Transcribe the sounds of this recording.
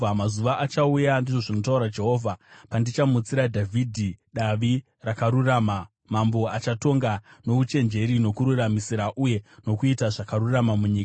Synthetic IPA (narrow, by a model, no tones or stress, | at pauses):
mazuʋaʔat͡ʃaujandiʐo̞ʐino̞tauɾad͡ʒe̞ɦo̞ːvʱapandit͡ʃamut͡siɾadʱavʱidʱiɗaʋi | rakaɾurama | mambo̞at͡ʃato̞ŋɡano̞ʋut͡ʃe̞nd͡ʒe̞ɾino̞kuɾuramisiɾaʔuje̞no̞kuitaʐakaɾuramamuɲiːka